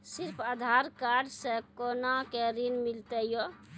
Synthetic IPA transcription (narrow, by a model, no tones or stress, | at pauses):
siɾpʰad̪ʱaɾkaɖsẽkonakeɾinmilt̪əjo